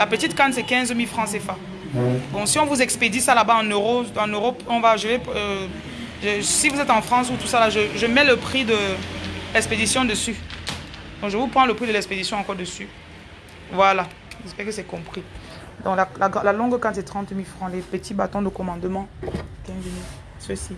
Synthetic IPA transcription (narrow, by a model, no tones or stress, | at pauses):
lapət̪it̪kãnsɛkɛ̃zmilfχɑ̃sefa | bɔ̃siɔ̃vuzɛksped̪isalabaɑ̃nøʁoɑ̃nøʁɔpɔ̃vaʒəve | ʒesivuzɛt̪ɑ̃fχɑ̃sut̪usalaʒəʒəmɛləpχid̪ə | lɛksped̪isjɔ̃d̪əsy | d̪ɔ̃ŋkʒəvupχɑ̃ləpχid̪əlɛksped̪isjɔ̃ɑ̃kɔʁd̪əsy | vwalã | ʒɛspɛʁkəsɛkɔ̃pχi | d̪ɔ̃klalaɡlalɔ̃ɡkɑ̃t̪ɛt̪χɑ̃t̪milfχɑ̃lepət̪ibat̪ɔ̃d̪əkɔmɑ̃d̪mɑ̃kɛ̃zmil | səsi